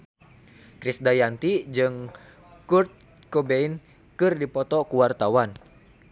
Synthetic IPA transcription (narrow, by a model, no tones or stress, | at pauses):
kɾisdajant̪id͡ʒɨŋ | kurt̪̚ | kobein | kɨrdipɔt̪ɔkuwart̪awan